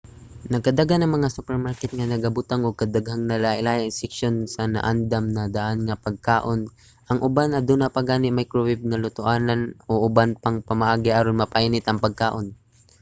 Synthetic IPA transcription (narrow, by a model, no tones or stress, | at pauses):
nɐɡ̚kɐd̪aɡanɐŋmɐŋasupɛɹmaɹkɛt̪̚ŋɐnɐɡɐbʊt̪aŋoɡ̚kɐd̪aɡhaŋnɐlaʔɪlaːɐŋsɛkʃonsɐnɐ̰ʔand̪amnɐd̪aʔanŋɐpɐɡ̚kaːʔon | ʔɐŋʔʊbanɐd̪uːnɐpɐɡaːnɪmɐjkɾowɪb̚ŋɐlʊt̪ʊʔaːnanoʔʊbanpɐŋpɐmɐʔaːɡɪʔaɾonmɐpajnɪt̪ɐŋpɐɡ̚kaːʔo̞n